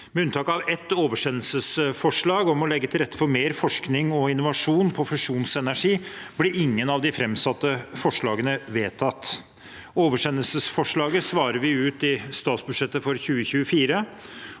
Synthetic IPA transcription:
mɛʉnt̪ɑːkɑʋɛt̪ːoːʋəʂɛnːəlsəsfɔʂɭɑːɡɔmɔlɛɡːət̪ʰɪlɾɛt̪ːə̥fɔɾmeːɾfɔʂknɪŋɔɪnʊʋɑʂuːnpʰɔfʉʂuːnsɛnæʂiːb̥lɪɾɪŋːənɑʋd̪ɪfɾɛmsɑt̪ːəfɔʂɭɑːɡənəʋeːt̪ʰɑt̪ː | oːʋəʂɛnːəlsəsfɔʂɭɑːɡəsʋɑːɾəɾʋɪʉːt̪ɪst̪ɑːt̪sbʉʂɛt̪ːəfɔɾçʉːəçʉːəfiːɾə

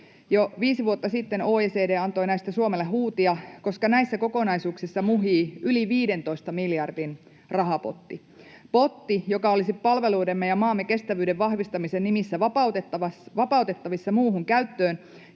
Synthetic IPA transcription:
joʋiːsiʋuot̪ːɑsit̪ːenoːeːseːdeːɑnt̪o̞jnæist̪æsuomelːeɦuːt̪iɑko̞skɑnæjsːæko̞ko̞nɑisuːksisːɑmuɦiːyliʋiːde̞nt̪o̞ist̪ɑmiljɑrdin | rɑɦɑpo̰t̪ːi | po̞t̪ːijokɑolisippɑlʋe̞luːdemːejɑmɑːmːeke̞st̪æʋyːdeʋʋɑhʋist̪ɑmisennimisːæʋɑpɑut̪et̪ːɑʋɑsʋɑpɑut̪e̞t̪ːɑʋisːɑmuːhuŋkæyt̪ːøːn

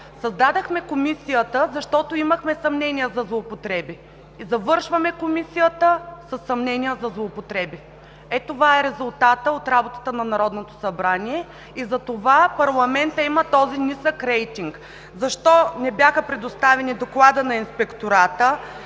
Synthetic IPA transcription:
sɐzd̪ad̪əxmɛkomisijət̪əzɐʃt̪ɔt̪oiməxmɛsɐmnɛnijəzɐzlˠoːpot̪ɾɛbiː | zɐvɤɾʃvɐmɛkomisijət̪əsəsːɐmnɛnijəzɐzlˠoːpot̪ɾɛbi | ɛt̪ovaɛɾɛzʊlˠt̪at̪əot̪ɾabot̪ə̥t̪ənɐnɐɾɔd̪not̪o̥sɐbɾaniɛ | izɐt̪ovapɐɾlˠɐmɛnt̪əimət̪ɔzinisəkɾɛjt̪iŋk | zɐʃt̪ɔnɛbjaxəpɾɛd̪ost̪avɛnid̪oklˠad̪ənɐinspɛkt̪oɾat̪ə

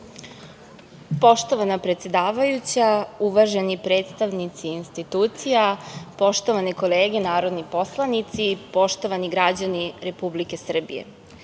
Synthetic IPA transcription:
po̞ʃt̪o̞ʋanapɾet̪se̞d̪aːʋajut͡ɕauʋaʒe̞nipɾe̞ːt̪st̪aʋnit̪siːnst̪it̪uːt̪sijapo̞ʃt̪o̞ʋaniko̞leːɡe̞naːɾod̪nipo̞slˠanit̪sipo̞ʃt̪o̞ʋaniɡɾad͡ʑaniɾe̞publike̞sr̩bḭjḛ

